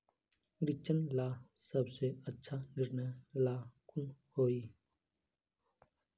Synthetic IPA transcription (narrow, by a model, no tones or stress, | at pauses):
ɾɪt͡ʃənlaːsəbseətːʃʰanɪɾnɛjlaːkʊnhoːiː